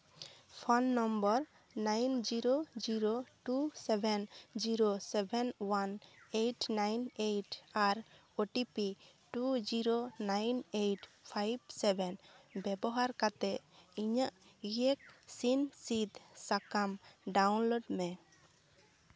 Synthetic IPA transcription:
pʰɔnːɔmbɔɾ | najnd͡ʒiɾod͡ʒiɾoʈusɛbʱɛnd͡ʒiɾosɛbʱɛnwanejʈnajnejʈaɾ | oʈipi | ʈud͡ʒiɾonajnejʈpʰajb̚sɛbʱɛnbɛbɔɦaɾkat̪ɛʔiɲaʔiek̚sinsid̪sakamɖawnloɖmɛ

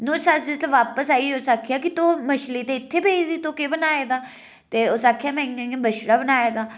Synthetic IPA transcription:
nõːsad͡ʒɪslːʋaːpəsaːiːoːsaːkʰijaːkɪt̪oːməʃliːt̪eːɪt̪ʰːeːbeːid̪iːt̪oːkeːbənaːeːd̪aː | t̪eːoːsaːkʰijaːmɛ̃ːãːbəʃɽaːbənaːeːd̪aː

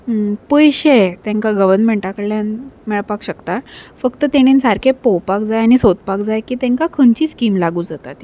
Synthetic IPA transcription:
pəjɕet̪ẽŋkaɡəʋənmeɳʈakəɽljanmɛɭpakɕəkt̪afəkt̪ət̪eɽ̃insaɾkʰepowpakd͡zajañisot̪̚pakd͡zajkiːt̪ɛ̃ŋkakʰəɳt͡ɕiːskiːmlaɡuːd͡zat̪at̪i

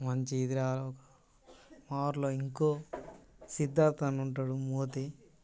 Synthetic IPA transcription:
mɐɲt͡ʃiːd̪iɾaːlɔkɐ | maːɾloːiŋkoː | sid̪ːaːnt̪ɐnuɳʈaːɽumoːt̪e

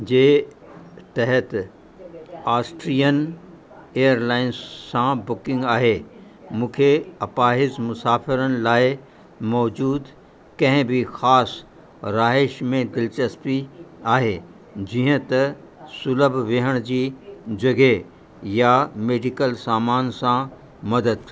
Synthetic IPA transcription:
d͡ʑeː | t̪ɛɦət̪ | aːsʈɾijən | eːəɾlaːɪnsːãbʊkɪ̃ŋɡaːɦe | mũːkʰeɐpaːɦɪzmʊsaːfɪɾənɪ̆laːɪ | mɔːd͡ʑuːd̪ | kɐ̃ɦɪ̃bɪxaːs | ɾaːɦɪʃmẽd̪ɪlt͡ɕəspiaːɦe | d͡ʑiːɦə̃t̪ɐ | sʊləbʱʋeɦəɽ̃d͡ʑiːd͡ʑɐɡe | jameːɖɪkəlsaːmaːnsã | mɐd̪əd̪

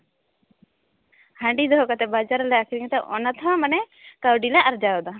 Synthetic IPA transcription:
haɳɖid̪ɔɦɔkat̪ɛbad͡ʒaɾlɛakʰiɾiŋt̪ɛʔɔ̰nat̪ʰɔmanɛ | kawɖilɛaɾd͡ʒajɔd̪ɔ

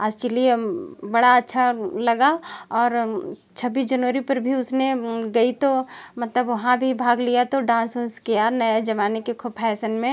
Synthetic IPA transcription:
aːd͡ʒt͡ʃəliebɐɽaətːʃʰalɐɡaɔːɾ | t͡ʃʰəbiːsd͡ʒɐnʋəɾipɐɾbʱiʊsneɡɐit̪omɐt̪ləbʋɐɦãbʱibʱaːɡlijat̪oɖãːnsʊskeaːnɐjed͡ʒɐʋaːnekekʰʊb̚pʰɛːsənmẽ

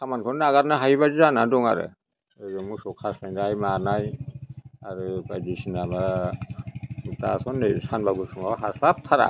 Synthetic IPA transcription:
kʰamankʰɔnnaɡaɾnaɦajiβazizanadɔŋa̰ɾɯ̰ | ɯzɔŋmusɔkʰasajndajmaɾnaj | aɾɯkajdisinaba | mutasɔnːesanbaɡusɔŋawɦasap̚tʰaɾa̰

